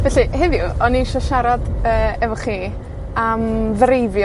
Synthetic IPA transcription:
vɛɬɨhɪðjʊɔniʃɔʃaɾadəːɛvɔχiː | amðrejvj

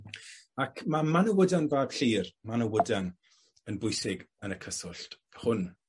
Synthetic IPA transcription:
akʰmamanəwədanvaːb̥ɬiːrmanəwədan | ənbʊjsɪɡənəkʰəsɔɬt | hʊn

